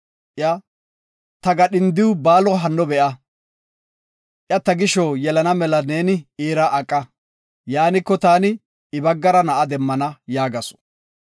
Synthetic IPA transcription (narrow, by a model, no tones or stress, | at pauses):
ʔjɐ | t̪ɐɡɐɗɪnd̪ɪwʊbaːlɔɦɐnːɔbɛʔɐ | ʔjɐt̪ːɐɡɪʃɔjɛlɐnɐmɛlɐneːnɪiːɾɐʔɐkʼːɐ | jaːnɪkːɔt̪aːnɪ | ɪbɐɡːɐɾɐnɐʔɐd̪ɛmːɐnɐjaːɡɐsɔ̥